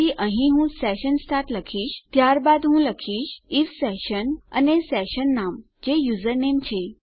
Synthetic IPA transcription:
iʔə̃ɦĩɦũsɛɕənsʈʰaʈləkʰiːɕt̪jaɾbad̪ɦũləkʰiːɕifsɛɕənə̰nesɛɕənːam | d͡ʑejuzəɾnemt͡ɕʰe

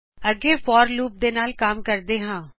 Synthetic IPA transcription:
əɡeːfɔːɾluːp̚d̪eːnaːlkaːmkəɾd̪eːɦãː

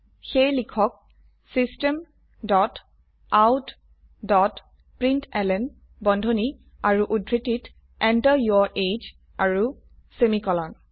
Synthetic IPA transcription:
xejlikʰɔk̚ | sistɛm | dɔt | awt | dɔt | pɹintɛlɛn | bɔndʱoni | aɹuʔudʱɹitit | ɛntəjɔʔed͡ʒ | aɹu | semikɔlɔn

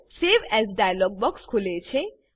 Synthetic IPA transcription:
seʋɛzɖajəlɔɡ̚bɔkskʰulet͡ʃʰẽ

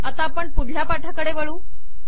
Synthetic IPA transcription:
at̪apəɳpud̪ʱljapaʈʰakəɽeʋəɭuː

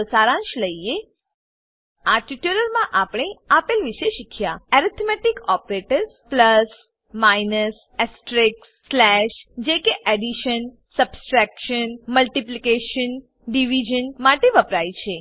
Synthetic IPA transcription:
saɾãʃləie | aʈiʈələɾmãʔapɽeapelʋiʃeʃikʰjaɛɾit̪ʰmɛʈikɔpɾeʈəɾspləs | mainəs | ɛsʈɾɪksːlɛʃd͡ʒekeʔɛɖiʃən | səbsʈɾɛkʃənməlʈiplikeʃən | ɖiʋid͡ʒənmaʈeʋəpɾajt͡ʃʰe

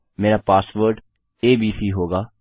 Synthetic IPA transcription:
meːɾaːpaːsʋəɾɖ | eːbiːsiːɦoːɡaː

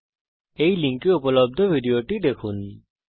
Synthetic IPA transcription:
ejliŋkiupɔlɔb̚d̪ʱɔbʱiɖijoʈid̪ekʰun

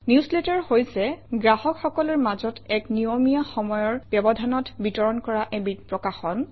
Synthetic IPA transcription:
niusletɔɹhojsɛɡɹahɔkxɔkɔlɔɹmazɔtɛknijomijaxɔmɔjɔɹbjɔbɔdʱanɔtbitɔɹɔnkɔɹaʔɛbipɹɔkaxɔn

